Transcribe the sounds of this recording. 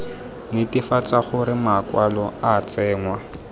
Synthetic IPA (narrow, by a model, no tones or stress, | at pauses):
nɪtɪfat͡saχʊɾɪmakwalɔat͡sɛːŋwa